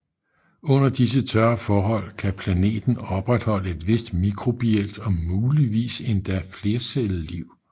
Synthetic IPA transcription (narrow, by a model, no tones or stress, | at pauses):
ɔ̽n̰ɐd̥is̬ət͡sʰɶɐfɒːɦɒ̽l̰kʰæpʰlæne̝̰ːd̥n̩ɒ̽b̥ʁad̥hɒ̽l̰əe̝d̥ʋe̝sd̥mikʰʁo̝b̥ield̥ɒ̽muːliʋḭːse̝nd̥æɐfle̝ːɐselð̩ˠliʊ̰